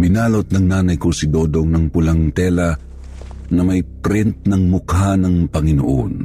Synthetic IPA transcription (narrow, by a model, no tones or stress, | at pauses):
bɪnaːlot̪̚nɐŋnaːnɐjkosɪd̪od̪oŋnɐŋpʊlɐŋt̪ɛlɐ | nɐmɐjpɾɪnt̪̚nɐŋmʊkhanɐŋpɐŋɪno̰ʔo̰n